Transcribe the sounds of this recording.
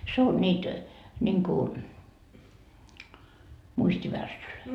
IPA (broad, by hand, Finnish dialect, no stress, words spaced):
se on nʲiːt nʲiŋku muistʲiʋærsːyløi